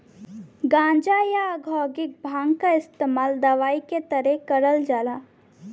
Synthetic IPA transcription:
ɡãːnd͡ʒajaɡʱɔːɡɪk̚bʱãːŋɡkaɪst̪eːmaːld̪ɐʋaːiket̪əɾɛ̃kəɾəld͡ʒaːla

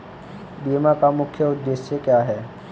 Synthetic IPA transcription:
biːmakamʊkʰjəʊd̪ːeːʃəkjaːɦɛː

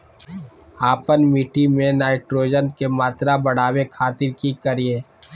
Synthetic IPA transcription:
aːpənmiːʈimẽnaːɪʈɾoːd͡ʒənkemaːt̪ɾabɐɽ̤aːwekʰaːt̪ɪɾkikəɾieː

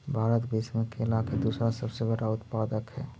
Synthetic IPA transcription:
bʱaːɾət̪bit͡ʃmẽkeɪlaːkʰed̪uːsɾasəbsebəɽaʊt̪paːd̪əkɦɛː

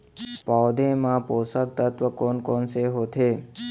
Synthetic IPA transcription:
pawd̪emãposək̚t̪ət̪ʋəkonkonseɦot̪ʰe

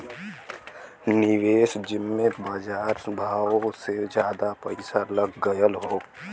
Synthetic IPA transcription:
nɪweːsd͡ʒɪmːẽbaːd͡ʒaːɾsbʱaːwosed͡ʒjaːd̪apəɪsaləɡɡəjəlɦoː

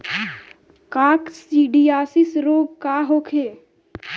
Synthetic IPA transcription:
kaːksiːɖiaːsɪsɾoːɡkaːɦoːkʰeː

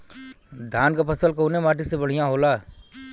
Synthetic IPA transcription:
d̪ʱaːnkapɐsəlkoːnemaːʈɪksebəɽ̤ijãɦoːlaː

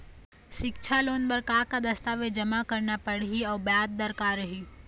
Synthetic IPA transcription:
ʃɪkt͡ʃʰaloːnbɐɾkaːkad̪ɐst̪aʋed͡ʒɐmakɐɾnapɐɽɦiɔːɾbjaːd̪̚d̪ɐɾkaːɾɐɦiː

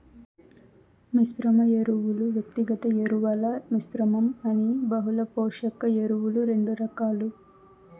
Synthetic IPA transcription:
misɾɐmɐeɾuʋuluʋjɐk̚t̪iɡɐt̪ɐjeɾuʋɐlɐmisɾɐmɐmɐnibɐɦulɐpoːʂɐkɐeɾuwuluɾe̞ɳɖuɾɐkaːlu

